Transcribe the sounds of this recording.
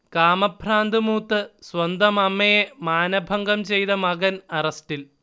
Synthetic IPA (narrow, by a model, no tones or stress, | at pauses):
kaːmɐpʰraːnd̪ɨmuːt̪ːɨswɐnd̪ɐmɐmːɐjemaːnɐbʱɐŋɡɐmt͡ɕejt̪ɐmɐɡɐnɐrɐsʈil